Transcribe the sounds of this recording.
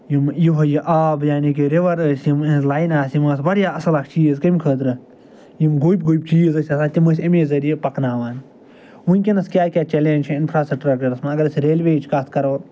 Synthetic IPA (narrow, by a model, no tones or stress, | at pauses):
jimjiɦɐjiʔaːbjaːnik̬ʲiɾeʋɐɾɐsjimlaːjnaːsjimɐːsbɐɽjaːɐsɐlɐkʰt͡ʃiːzkɐmkʰəːt̪ɾɨ | jimɡojbɡoːjbt͡ʃiːzɐsʲɐsaːt̪ʲimɐsʲɐmeːzɐɾijepɐknaːʋaːn | unʲkʲenɐskʲaːkʲaːt͡ʃeleːnʲt͡ʃʰiɪnfʰɾaːsɐk̚ʈɾak̚ʈɐɾɐsmɐɐɡɐɾɐsʲɾeːlʲʋeːt͡ʃʰkat̪ʰkɐɾoːɾ